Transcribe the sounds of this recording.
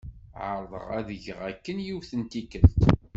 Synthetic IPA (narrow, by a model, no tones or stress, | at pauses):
ʕəɾˤðˤə̰ʁæðəʝəʁækːənjiwθənt̪ikəlt̪